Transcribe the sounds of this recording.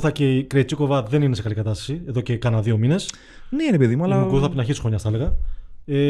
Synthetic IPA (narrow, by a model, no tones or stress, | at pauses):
θɐceikɾet͡siko̞vɐðe̞ninesekɐlikɐt̪ɐst̪ɐ̥sieðo̞ce̞kɐnɐðio̞mine̞s | neɾepeðimuɐlɐkuθɐpinɐçisi̥xoɲɐst̪ɐeleɣɐe